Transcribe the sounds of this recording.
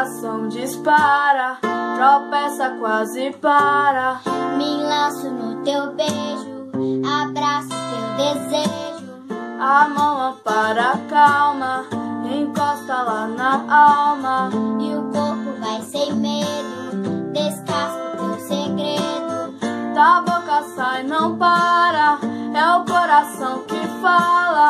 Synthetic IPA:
sɐ̃w̃d͡ʒispaɾɐt̪ɾopɛsɐkwazɪpaɾɐmɪlɐ̃sʊnʊt̪ewbeʒʊabɾasʊ̥t̪ewd̪ezeʒʊ | amɐ̃w̃ɛpaɾɐkawmɐẽkɔst̪ɐlanɐawmɐɪʊkoɾpʊvajsẽj̃med̪ʊd̪eskasukõseɡɾed̪ʊt̪abokɐsainɐ̃w̃paɾɐɛʊkoɾasɐ̃w̃kɪfalɐ

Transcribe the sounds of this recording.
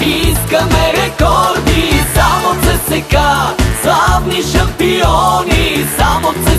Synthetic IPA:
iskəmɛɾɛkɔɾd̪isamosɛsɛɡaslavniʃɐmpiɔnisamosɛ

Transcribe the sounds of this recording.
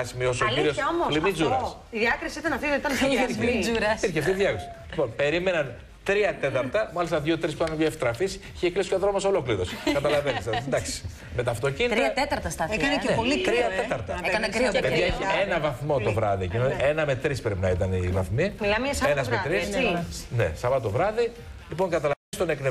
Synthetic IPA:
ɐsimio̞sokliɾiosomolimid͡zuɾɐs | iðiɐkɾisiit̪ɐnɐft̪iit̪ɐniɾuɾɐpiɾçeft̪iðʝɐkɾosi̥ | lipo̞npe̞ɾime̞nɐn | t̪ɾiɐt̪e̞t̪ɐɾt̪ɐmɐlist̪ɐðʝot̪ɾisput̪ɐnjoeft̪ɾɐfis | içeklisi̥çoðɾomɐso̞lo̞kliɾo̞skɐt̪ɐlɐvenisɐnd̪ɐksi̥ | me̞t̪ɐft̪o̞ciniɾtiɐt̪et̪ɐɾt̪ɐst̪ɐekɐneepolit̪ɾiɐet̪ɐɾt̪ɐeɐnɐpeðieçienɐvɐθmo̞t̪ovɾɐðicinoienɐme̞t̪ɾispɾepinɐit̪ɐnivɐ̰θmilɐmsenɐzmet̪ɾisnḛsɐvɐt̪o̞vɾɐði | lipo̞ŋkɐt̪ɐlɐenst̪one̞kne

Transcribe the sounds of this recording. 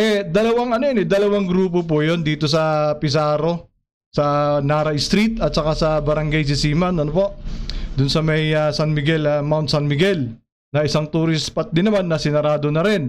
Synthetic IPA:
ʔɛd̪ɐlɐwaŋɐnojnɛd̪ɐlɐwaŋɡɾuːp̬op̬ojo̞nd̪iːt̪o̞s̬ɐpɪs̬aːɾo̞ | sɐnaːɾɐʔɪst̪ɾit̪ɐt̪̚t͡ʃɐkasɐbɐɾɐŋɡajs̬ɪsiːmɐnɐnopo̞ʔd̪ʊnsɐmɐjɐsanmɪɡɛlɐmawnt̪sanmɪɡɛl | nɐʔɪsaŋt̪uːɾɪspɐt̪̚d̪ɪnɐmanːɐsɪnɐɾaːd̪o̞nɐɾɛn

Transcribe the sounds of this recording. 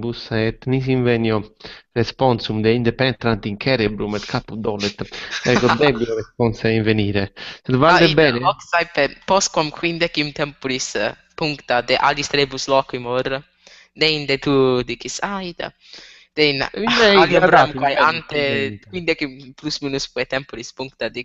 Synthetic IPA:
busaɛt̪ːnis̬iɱvɛnjɔrɛspɔnsumd̪ɛind̪epɛnt̪ɾant̪iŋkʰɛɾebɾumɛt̪kʰapːud̪ɔːlɛt̪ɛkɔd̪ɛbiɔɾɛspɔnsaiɱveniːɾesd̪vald̪ebɛːneɔksajpepɔskwamkʰwind̪ɛkimt̪ɛmpuɾis | puŋkt̪ad̪eʔa̰list̪ɾebuslɔːkimɔr | d̪eind̪et̪ud̪iːkisajd̪a̰ | d̪̥eina̰alaɾɔmkwajant̪ekwind̪ɛkimplusmiːnuspwɛt̪ɛmpuɾispuŋkt̪ad̪i

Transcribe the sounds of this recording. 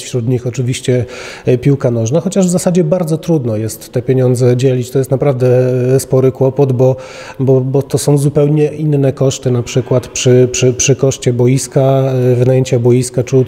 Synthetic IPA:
fɕɾud̪ɲixɔt͡ʂɘvʲiɕt͡ɕɛpʲiwkanɔʐnaxɔt͡ɕaʐvzasad͡ʑɛbaɾd̪zɔt̪ɾud̪nɔjɛst̪ːɛpʲjeɲɔnd̪zɛd͡ʑɛlʲit͡ɕt̪ɔjɛst̪napɾavd̪ɛspɔɾɘkwɔpɔd̪bɔ | bɔbɔt̪ɔsɔ̃w̃zupɛwɲɛʔinːɛkɔʂt̪ɘnapʂɘkwat̪pʂɘpʂɘpʂɘkɔʂt͡ɕɛbɔjiskavɘnajeɲt͡ɕabɔjiskat͡ʂu

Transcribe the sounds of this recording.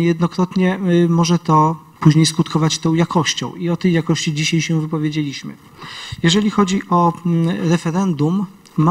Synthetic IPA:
jɛd̪nɔkɾɔt̪ɲɛmɔʐɛt̪ɔ | puʑɲejskut̪kʰɔvat͡ɕt̪ɔ̃w̃jakɔɕt͡ɕɔ̰̃w̃iɔt̪ɛjakɔɕt͡ɕid͡ʑiɕajɕɛvɘpɔvʲjed͡ʑelʲiɕmɘ̰ | jɛʐɛlʲixɔd͡ʑiʔɔɾɛfɛɾɛnd̪umː

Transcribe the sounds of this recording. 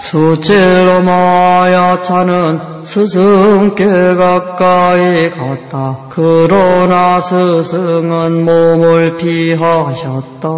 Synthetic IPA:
sʰut͡ɕeɾomajat͡ɕʰanɯn | sʰɯsʰɯŋk͈eɡak̚k͈aikat̚t͈akɯɾʌnasʰɯsʰɯŋɯnmomuɭpʰiɦaɕʰʌt̚t͈a

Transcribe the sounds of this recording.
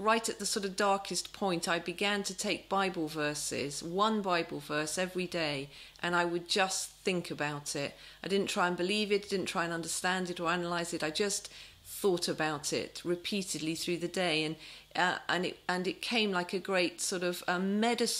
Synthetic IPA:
ɹaɪɾɨt̪̚ðəsɔɹɾʌvdɑɹkʰɨspʰɔ̃ɪ̃ntʰaɪbɨɡæ̃ntʰɨtʰeɪk̚b̥aɪbl̩ˠvɜ˞sɪ̰z̥wʌ̃nbaɪbl̩ˠvɜ˞sɛvɹideɪ | ʔɨ̃naɪwɨd̚d͡ʒʌsθɪ̃ŋkʰɨbaʊɾɪt̚ | aɪdɪdⁿn̩tʰɹ̥aɪ̃nbɨlivɨtaɪdɪdⁿn̩tʰɹ̥aɪɨ̃nʌ̃ndə˞stæ̃ndɨɾə˞ænəlaɪzɨɾaɪd͡ʒʌs | θɔɾɨbaʊɾɪ̰t̚ɹɨpʰiɾɨdˡliθɹʉðɨdeɪɨ̃n | ʌʔə̃nɪ̰ʔɨ̃nɨt̚kʰẽɪ̃mlaɪkɨɡɹeɪtsɔɹɾʌvʌ̃mmɛɾɨs

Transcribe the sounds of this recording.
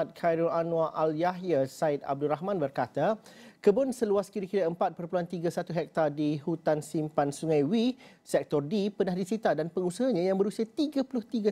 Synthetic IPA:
at̪̚kʰajɾɔlanũaʔaljaɦjasaɪt̪̚a̰b̚duɾaɦmãnbərkat̪akəbʊnsəluaskiɾikiɾaəmpat̪̚pərpluant̪iɡasat̪uɦɛk̚t̪adihut̪ansimpansuŋãjwi | sɛk̚t̪ɔrdipənahdisit̪adanpəŋusaɦaɲãjaŋbəɾusiat̪iɡapulʊht̪iɡa

